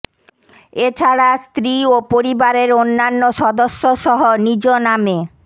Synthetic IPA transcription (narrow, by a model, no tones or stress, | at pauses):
et͡ɕʰaɽast̪ɾiopoɾibaɾeɾonːanːoʃɔd̪oʃːoʃɔɦonid͡ʑoname